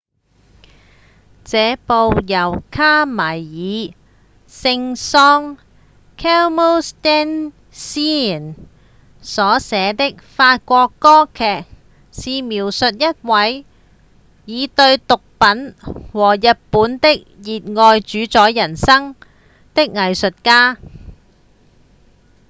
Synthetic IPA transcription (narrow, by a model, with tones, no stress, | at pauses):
t͡sɛː˨˧po˨˧wjɐ˨˩wkʰaː˥maː˨˩jːiː˨˧ | sɪ˧ŋsɔː˥ŋ | kʰɛː˥wmo˥st̪ɛ˥n | siː˥˨˩n | sɔː˨˥sɛː˨˧t̪ɪ˥k̚faː˧t̚kʷɔː˧kːɔː˥kʰɛː˨k̚ | siː˨miː˨˩wsɵ˨t̚jɐ˥t̚wɐ˨˥j | jiː˨˧t̪ɵ˧ɥt̪ʊ˨k̚pɐ˨˥nwɔː˨˩jɐ˨t̚puː˨˥nt̪ɪ˥k̚jiː˨t̚ŋɔː˧jt͡ʃyː˨˥t͡sɔː˨˥jjɐ˨˩nsɐ˥ŋ | t̪ɪ˥k̚ŋɐ˨jsɵ˨t̚kaː˥